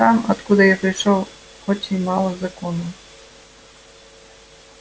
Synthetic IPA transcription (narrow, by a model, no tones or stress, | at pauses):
ɑmɐt̪kud̪ɪjapɾɐjʃɔw | xɔt͡sʲimɑlˠɐzɐkɔnu